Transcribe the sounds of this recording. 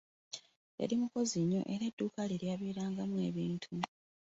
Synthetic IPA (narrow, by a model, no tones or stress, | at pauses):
jḛlimuko̞ziɲːo̞̰ʔe̞ɾedːuːkaliljaβeːɾaːŋɡamue̞̰ːβiːntʰu